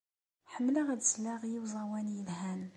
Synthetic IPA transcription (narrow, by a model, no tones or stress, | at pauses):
ħəmːlaʁæd̪zlaʁjiwzˤɑwænjəlhæn